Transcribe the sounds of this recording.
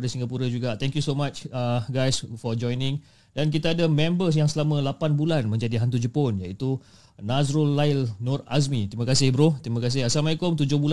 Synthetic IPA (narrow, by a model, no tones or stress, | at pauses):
dasiŋɡapuɾad͡ʒuɡat̪ɛŋkjusomat͡ʃəɡajsfɔd͡ʒɔjnɪ̃ŋ | dank̬it̪aːdamɛ̃mbəs̬jaŋsəlamə̃lapanbulanmə̃ɲd͡ʒadiɦant̪ud͡ʒəponjait̪u | nazɾɔlːaɪlnɔras̬mit̪ɾimãkasɪhbɾoht̪ɾimãkas̬ɪhasalmajkʊmt̪ud͡ʒʊhbul